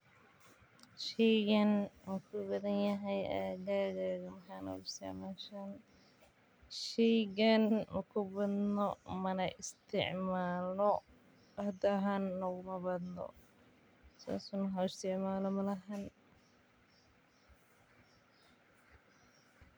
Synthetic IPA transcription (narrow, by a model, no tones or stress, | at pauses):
ʃɛjɣɐnmɐkʰʊbɐðɐnjɐɦɛjʔa̰ːɡaːɣaːɣɐmɐħaːnɔ̰ɣʊɪst̪ʰɪ̰ʕmaːʃan | ʃɛjɣɐnmɐkʰʊbɐd̪nɔmɐnɐʔɪst̪ʰɪ̰ʕmaːlɔ | ɐd̪ɐɦanːɔɣʊmɐbɐd̪nɔ̰ | sa̰ːsʊnmɐħaːɪst̪ʰɪʕmaːlɔmɐlɐɦan